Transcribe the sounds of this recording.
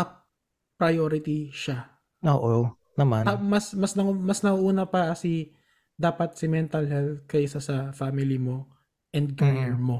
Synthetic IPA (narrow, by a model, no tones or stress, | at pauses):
ʔɐ | pɾɐjoːɾɪt̪iʃa | oːʔo | nɐmanɐmɐsmɐsnɐumɐsnɐʔuʔuːnɐpɐɐsi | d̪aːpɐt̪̚sɪmɛnt̪ɐlɦɛl̚kɐjʔɪsasɐfamɪlɪmo̞ | ʔɛnd̪̚ɡanɛɹmo̞